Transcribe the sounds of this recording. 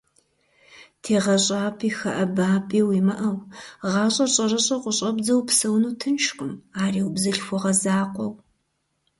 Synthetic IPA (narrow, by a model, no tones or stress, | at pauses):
tʰeːʁɐɕʼaːpʰiːxɐʔɐbaːpʼiːwiːmɐʔɐwʁɑːɕʼɐɕʼɐrɐɕʼɐqʷʊɕʼɐbzɐwpsɐwnuːtʰɨnʃxʼʊmaːriːwbzɐɬxʷɔʁɐzaːqʷɔw